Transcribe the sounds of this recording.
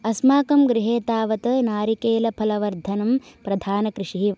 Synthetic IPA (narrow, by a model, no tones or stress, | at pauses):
ɐsmaːkɐmɡɾiɦeːt̪aːʋɐt̪ɐnaːɾikeːlɐpʰɐlɐʋɐɾd̪ʱɐnɐmpɾɐd̪ʱaːnɐkɾɪʂiɦi